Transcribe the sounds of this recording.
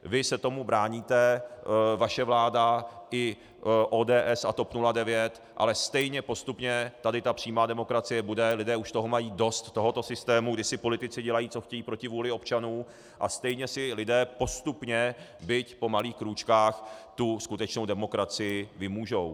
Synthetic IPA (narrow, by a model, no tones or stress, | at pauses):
vɪsɛt̪o̞mubɾaːɲiːt̪ɛ | vaʃɛvlaːdaɪ | ʔoːdɛːʔɛsa̰t̪o̞pnuladɛvjɛt̪ | ʔa̰lɛst̪ɛjɲɛpo̞st̪upɲɛt̪adɪt̪apr̥iːmaːdɛmo̞kɾat͡sɪjɛbudɛlɪdɛːuʃt̪o̞ɦomajiːdo̞st̪ːoɦo̞t̪o̞sɪst̪ɛːmuɡdɪsɪpo̞lɪt̪ɪt͡sɪɟɛlajiːt͡so̞xcɛjiːpɾo̞cɪvuːlɪo̞pt͡ʃanuː | ʔa̰st̪ɛjɲɛsɪlɪdɛːpo̞st̪upɲɛbɪcpo̞maliːxkɾuːt͡ʃkaːxt̪uskut̪ɛt͡ʃno̞wdɛmo̞kɾat͡sɪjɪvɪmuːʒow